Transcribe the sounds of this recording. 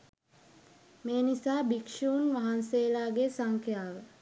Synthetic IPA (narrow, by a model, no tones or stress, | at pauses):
meːnisaːbikʃuːnʋaɦanseːlaːɡesaŋkʰjaːʋə